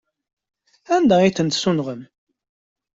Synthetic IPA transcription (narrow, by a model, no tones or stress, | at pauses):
ænd̪æiθənt̪sunʁəm